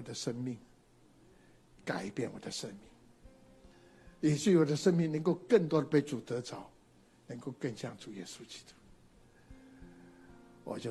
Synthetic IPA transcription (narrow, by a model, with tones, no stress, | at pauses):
ɔ˨˩d̪ə˦ʂə˦˥nmi˥˩ŋ | ka˨˩ɪpjɛ˥˩nwɔ̰˨˩d̪ə˦ʂə˦nmi˥˩ŋ | jɛ˨˩t͡ɕy˥˨wɔ˨˩d̪ə˦ʂə˥nmi˥˩ŋnə˧˦ŋko˥˧ʊkə˥˨nt̪̬wɔ˥d̪ə˨˩pe˥˩ɪt͡su˨˩t̪ə˧˦t͡sɑ˨˦ʊ | nə˧˥ŋko˥˧ʊkə˥˧nɕjɑ̰˥˩ŋʈ͡ʂu˨˩jɛ̰˦˥su˦t͡ɕi̥˦˥t̪u̥˦˥ | wɔ̰˨˩t͡ɕjo˥˨